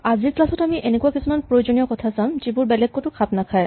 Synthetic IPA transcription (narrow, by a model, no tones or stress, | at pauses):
aziɹklasɔtamiʔenekuakisumanpɹojozoniɔkɔtʰasamzibuɹbɛlɛɡ̚kotʊkʰapnakʰaj